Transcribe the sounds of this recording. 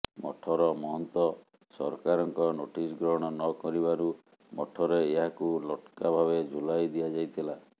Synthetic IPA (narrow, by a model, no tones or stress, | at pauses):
mɔ̰ʈʰɔɾɔmɔɦɔnt̪ɔ | sɔɾkaɾɔŋkɔnoʈisɡɾɔɦɽ̃ɔnɔkɔɾibaɾu | mɔʈʰɔɾeːɦakulɔʈkabʱaβed͡ʒʱulajd̪iad͡ʒajt̪ʰila